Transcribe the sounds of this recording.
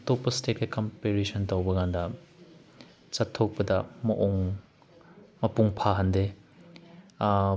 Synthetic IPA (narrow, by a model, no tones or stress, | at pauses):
tʰɔk̚pɐstet̚kɐkɔmpeɾesʰɔntɐwbɐɡandɐ | t͡sɐtʰːɔk̚pɐdɐmɐʔɔŋ | mɐpuŋpʰaɦɐnde